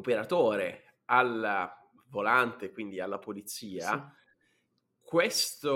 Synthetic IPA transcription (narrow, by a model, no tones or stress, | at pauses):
opeɾat̪oːɾe | al | volant̪ekwind̪ialːapolit̪siːa | kwest̪o